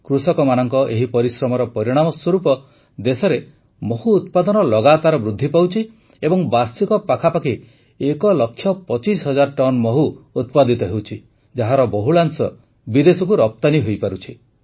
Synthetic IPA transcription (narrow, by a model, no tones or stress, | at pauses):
kɾusɔkɔmanɔŋkɔʔeɦipɔɾisɾɔmɔɾɔpɔɾiɽ̃amɔswɔɾupɔ | d̪esɔɾe | moɦuːt̪pad̪ɔnɔlɔɡat̪aɾɔbɾud̪ʱːipawt͡ʃʰi | ebɔŋbaɾsikɔpakʰapaki | ekɔlɔkʰːjɔpɔt͡ʃisɦɔd͡ʒaɾʈɔnmoɦuːt̪̚pad̪it̪ɔɦewt͡ʃʰi | d͡ʒaɦaɾɔbɔɦuɭansɔ | bid̪esɔk̬uɾɔp̚t̪aniɦojpaɾut͡ʃʰi